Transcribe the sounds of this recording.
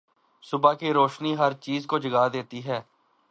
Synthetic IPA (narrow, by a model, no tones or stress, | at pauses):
sʊbaːkiːɾoːʃniːɦəɾt͡ʃiːzkoːd͡ʒəɡaːd̪eːt̪iɦɛː